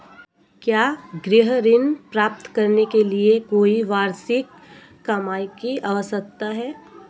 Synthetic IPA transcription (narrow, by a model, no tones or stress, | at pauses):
kjaːɡɾɪɦɾɪnpɾaːp̚t̪kɐɾnekeliekoːiʋaːɾsɪkː | ɐmaːikiʔaːʋəsək̚t̪aɦɛː